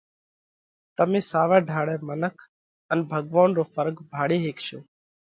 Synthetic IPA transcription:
t̪əmẽːsaːʋɛːɖʱaːɽɛːmənəkʰ | ənbʱəɡʋaːnɾoːfəɾɡbʱaːɽeːɦeːkʃoː

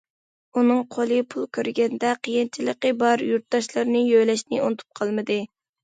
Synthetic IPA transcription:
unɨŋqʰolˠɨpʰulˠkʲøɾɡʲɛnd̪ɛqʰəjint͡ʃʰiləqəbɑɾjuɾt̪̚d̪ɑʃlˠɨɾnɨjøjlɛʃnɪunɨt̪ʰu̥p̚qʰɑlˠmɨd̪ɨ

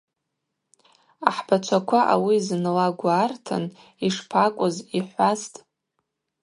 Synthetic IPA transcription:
aħbat͡ʃʷʰakʷʰaʔa̰wiznlaɡʷaːrtʰa̰n | iʂpʰakʷʼʊziħʷastʼ

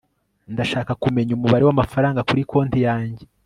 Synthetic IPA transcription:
ndaʃaːkakumeɲumuβaɾewamafaɾaːŋɡakuɾikʰo̞ːntijaːɲɟe

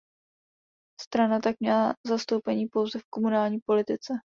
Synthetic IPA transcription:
st̪ɾanat̪ak̚mɲɛlazast̪o̞wpɛɲiːpo̞wzɛfko̞munaːlɲiːpo̞lɪt̪ɪt͡sɛ

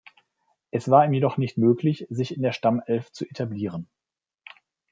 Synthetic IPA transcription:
ʔɛsv̥aːɐiːmjedɔχnɪçtmøːklɪçz̥ɪçɪndeːɐʃtamɛlft͡suʔetʰabliːʁ̞ən

